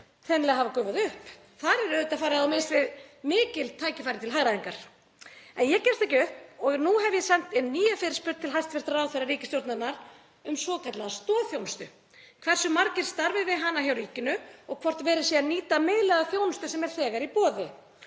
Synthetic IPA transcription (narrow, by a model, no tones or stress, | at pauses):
θɛnlɛɣaɦavakœːɥvaðʏhp | θaɾɛɾœðʏt̪afaːɾɪaðawmɪst̪vɪðmɪːcɪlt̪ʰaːjcɪfajɾɪt̪ʰɪlɦaɣɾaðiŋkaɾ̥ | ɛnjɛcɛn̥st̪ɛcɪʏhpɔɣnuɦɛvjɛsan̥t̪ɪnniːjafɪɾɪ̥spʏɾt̪ʰːɪlɦajst̪vɛɾ̥t̪aɾaːwθɛɾaɾiːcɪst̪jowɾt̪nanaɾ | ʏmsvɔːkʰat̪laðst̪ɔːðθjownst̪ʏ | kʰvɛr̥sʏmaɾcɪɾ̥st̪aɾvɪvɪðɦanːaçjawɾiːcɪnʏɔɣkʰvɔr̥t̪vɛːɾɪsɛaniːt̪ameːðlɛɣaθjownst̪ʏsɛmɛɾ̥θɛːɣaɾipɔːðɪ